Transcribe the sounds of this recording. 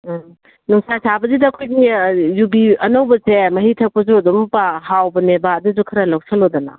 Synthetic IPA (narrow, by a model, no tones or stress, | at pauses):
nuŋsasʰabɐzidɐːkʰojnijubiɐnɐwbɐsemɐɦitʰɐk̚pɐzuɐdumpaɦawbɐnebadɐzukʰɐɾɐlɐwsɐlodɐnɐ̰